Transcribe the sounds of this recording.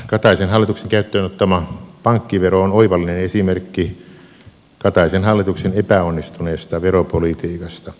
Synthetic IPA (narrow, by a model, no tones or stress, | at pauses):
kɑt̪ɑisenhɑlːˑit̪ukseŋkæyt̪ːøːnot̪ːɑmɑpɑŋkːiʋeroonoiʋɑlːinenesimerkːi | kɑt̪ɑisenhɑlːit̪uksenepæonːist̪uneːst̪ɑʋeropolit̪iːkɑst̪ɑ